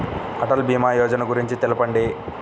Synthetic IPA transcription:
ɐʈɐlbiːmaːjɔːd͡ʒɐnɐɡuɾiɲt͡ʃit̪elɐpɐɳɖi

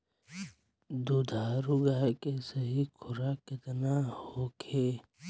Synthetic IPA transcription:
d̪ud̪ʱaːɾʊɡaːkesəɦikʰʊɾakɪt̪nahoːkʰeː

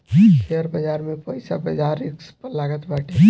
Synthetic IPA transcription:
ʃeəɾbɐd͡ʒaːɾmẽpɔːɪsabɐd͡ʒaːɾɪkspəlaːɡət̪baːʈʰe

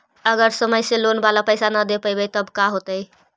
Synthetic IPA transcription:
əɡəɾsəməjselonbalapəɪsanəd̪epəjbet̪əbkaɦot̪əj

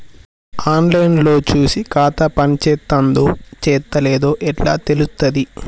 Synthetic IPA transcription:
aːnlɐjnlo̞ːt͡ʃuːsikaːt̪ɐpɐnit͡ʃɛːt̪ːɐnd̪ot͡ʃɛːt̪ːɐleːd̪o̞ːʔɛʈla̰ːt̪e̞lust̪ɐd̪i

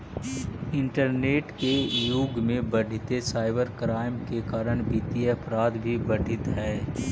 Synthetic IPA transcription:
ɪ̃ɳʈəɾneːʈkejuɡmẽbəɽ̤ʱɪt̪esaːɪbəɾkɾaːɪmkekaːɾəɽ̃biːt̪iɐpɾaːd̪bʱibɐɖʱɪt̪ɦɛː

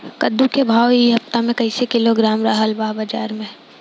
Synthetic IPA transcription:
kɐd̪ũkebʱaːwiɦɐft̪amẽkɐɪsekɪloɡɾaːmɾaːɦəlbaːɦbɐd͡ʒaːɾmẽ

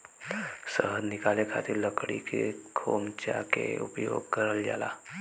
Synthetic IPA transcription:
səɦədnɪkaːlekʰaːt̪ʰeɾləkɽikekʰoːmt͡ʃakeʊpjoːɡkəɾəld͡ʒa̰ːla̰ː

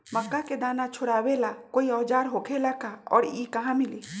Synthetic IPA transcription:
məkːaked̪aːnat͡ʃʰʊɽaːwelakoiɔːd͡ʒaːɾɦokʰelakaɔ̰ɽikəɦãmili

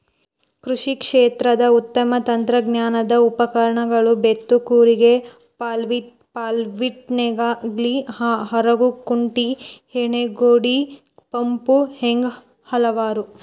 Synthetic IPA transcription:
kɾuʂikʂeːt̪ɾɐd̪ɐut̪ːɐmɐt̪ɐnt̪ɾɐɡnjaːnɐd̪ɐupɐkɐɾɐɳɐɡɐɭubet̪ːukuːɾiɡe | ʋi | paːlʋiʈ̚neɡaɡliɦɐɾɐɡukuɳʈiheɳeɡoːɽi | pɐmpuheŋɡ | hɐlɐʋaːɾu

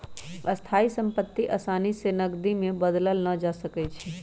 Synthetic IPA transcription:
ɐst̪ʰaːisə̃mpət̪ːiʔɐsaːnisenɐɡd̪imẽbəd̪ləlnɐd͡ʒasəkɛt͡ʃʰɛ

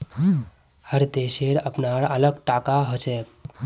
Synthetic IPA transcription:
həɾd̪eʃeɾəpnaɾələɡ̚ʈakaɦot͡ʃɛk̚

